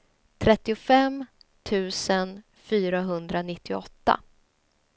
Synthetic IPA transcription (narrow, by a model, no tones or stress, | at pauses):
t̪ʰɾɛt̪ːɪʊfɛm | t̪ʰʉ̟ːsən | fyːɾaɦɵnd̪ɾanɪt̪ːɪɔt̪ːa̰